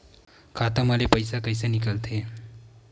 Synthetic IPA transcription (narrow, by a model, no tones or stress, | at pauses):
kʰat̪əməlepəjsakəjsənikalt̪ʰe